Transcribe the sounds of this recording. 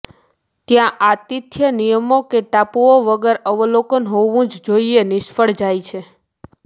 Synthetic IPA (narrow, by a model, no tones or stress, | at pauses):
t̪jãʔat̪it̪ʰjənijəmokeʈapuoʋəɡəɾəʋəlokənɦoʋũd͡ʒd͡ʒoienɪʃfəɽd͡ʒajt͡ʃʰe